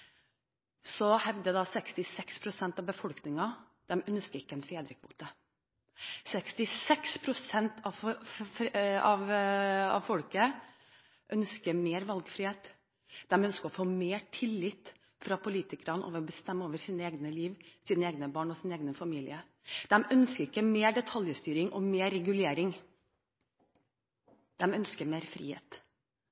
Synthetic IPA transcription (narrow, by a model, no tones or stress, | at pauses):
sɔhɛʋd̪əd̪ɑsɛkst̪ɪsɛkspʰɾʊsɛnt̪ɑʋbəfɔlknɪŋɑ | d̪̥ɛmœnskəɾɪkːəɛnfeːd̪ɾəkʰʋṵːt̪ə | sɛkst̪ɪsɛkspʰɾʊsɛnt̪ʰɑ | ɑʋɑ̰ʋfɔlkə | ʔœnskəmeːɾʋɑlɡfɾɪheːt̪ | d̪̥ɛmœnskəɾɔfoːmeːʈʰɪlːɪt̪ | fɾɑpʰʊliːt̪ɪkɾɑnəʔo̰ːʋəɾɔbəst̪ɛmːəoːʋəɾsiːnəeːɡnəliːʋsiːnəeːɡnəbɑːɳɔsɪneːɡnəfɑmiːlɪ̰ə | d̪̥ɛmœnskəɾɪkːəmeːɖɛt̪ʰɑljəst̪yːɾɪŋʔɔmeːɾɛɡʉleːɾɪŋ | d̪̥ɛmœnskəɾmeːɾfɾḭːhḛːt̪